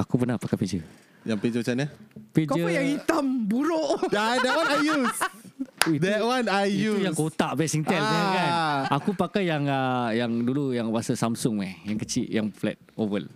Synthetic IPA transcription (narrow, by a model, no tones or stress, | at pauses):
akupənapakaped͡ʒə | jaŋped͡ʒət͡ʃanapekd͡ʒəɔjaŋhit̪ambuɾoʔadɛt̚wanajjus | idɛt̚wanajiujaŋkot̪aʔbɛsiŋt̪ɛlaakanakupakajjaŋəjaŋdulujaŋwasasamsʊŋmajaŋkət͡ʃiʔjaŋflɛ̰t̪̚ovəl